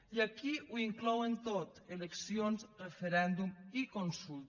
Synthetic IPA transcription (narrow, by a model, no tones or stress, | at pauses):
iakiuiŋklɔwent̪ot̪eleksionzrefeɾɛnd̪umikonsulˠ